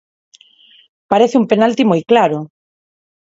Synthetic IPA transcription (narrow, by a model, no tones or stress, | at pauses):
paɾeθɪumpenalt̪imojklaɾʊ